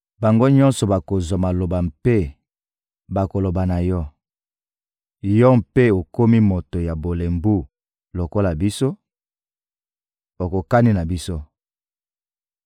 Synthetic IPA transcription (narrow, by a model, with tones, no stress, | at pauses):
ba˨ŋɡo˦ɲɔ˦nsɔ˨ba˨ko˨zwa˨ma˨lo˨ba˨mpe˦ | ba˨ko˨lo˨ba˨na˨jɔ˦ | jɔ˦m̩pe˦o˨ko˦mi˦mo˨to˨ja˨bo˨le˨mbu˦ | lo˨ko˦la˨bi˦so˦ | o˨ko˨ka˦ni˦na˨bi˦so˦